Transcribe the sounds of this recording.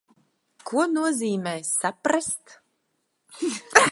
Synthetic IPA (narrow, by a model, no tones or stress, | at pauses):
kʰuɔnuɔziːmɛːjsapɾast̪